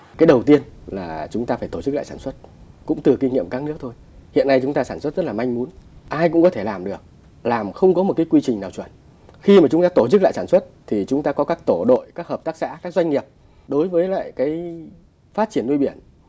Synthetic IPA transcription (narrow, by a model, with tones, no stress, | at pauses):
kaː˨˦jɗə˨˩wt̪i˧ənlaː˨˩t͡ɕʊ˨˦ŋ͡mt̪aː˧faː˧˩jt̪o˧˩t͡ɕɨ˦˥k̚la̰ː˧˨jsaː˧˩nswə˦˥t̚kʊ̰˧˥ŋ͡mt̪ɨ˨˩ki˧ŋḭ˧˨əmkaː˦˥k̚nɨ˦˥ək̚t̪ʰo˧j | hḭ˧˨əna˧jt͡ɕʊ˨˦ŋ͡mt̪aː˧saː˧˩nswə˦˥t̚z̥ə˦˥tlːma˧jŋ̟mu˨˦nʔaː˧jkʊ̰˧˥ŋ͡mkɔ˨˦t̪ʰe˧˩laː˨˩mɗɨ˨˩ək̚ | laː˨˩mxə˧wŋ͡mkɔ˨˦mo˨˩t̚kaː˨˦jkwi˧t͡ɕï˨˩ŋnaː˨˩wt͡ɕwə˧˩n | xi˧maː˨˩t͡ɕʊ˨˦ŋ͡mt̪aː˧t̪o˧˩t͡ɕɨ˦˥k̚la̰˧˨saː˧˩swə˦˥t̚t̪ʰi˨˩t͡ɕʊ˨˦ŋ͡mt̪aː˧kɔ˨˦kaː˦˥k̚t̪o˧˩ɗo̰˧˨jkaː˦˥k̚həː˨˩p̚t̪aː˦˥k̚sa̰ː˧˥kaː˦˥k̚zwa˧jŋ̟ŋi˨˩əp̚ | ɗo˨˦jvəː˨˦jla̰ː˧˨jkaː˨˦j | faː˦˥t̚t͡ɕi˧˩ənːu˧jɓi˧˩ən